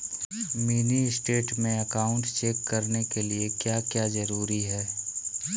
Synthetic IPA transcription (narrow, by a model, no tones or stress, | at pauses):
miːniɪsʈeːʈmẽɐkaːʊ̃ɳʈt͡ʃeːkːɐɾnekeliekjaːkjaːzɐɾuːɾiɦɛː